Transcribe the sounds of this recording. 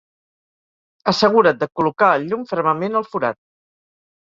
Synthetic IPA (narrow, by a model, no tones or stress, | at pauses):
əsəɣ̞uɾət̪̚d̪əkulukaəʎumfəɾməmenəlˠfuɾa̰t̪̚